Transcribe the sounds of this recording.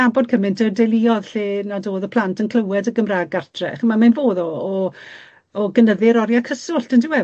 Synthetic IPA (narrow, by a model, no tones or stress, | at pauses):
abɔd̚kʰəmɪntʰədɛlˠɪɔðɬeːnadoːðɔpʰl̥ˠantʰənkʰl̥ˠəwɛdəɡəmraːɡartʰrɛ̰χəmamanvoːðɔː | ɡənəðɪɾɔɾjakʰəsʊɬtəntʰiwɛ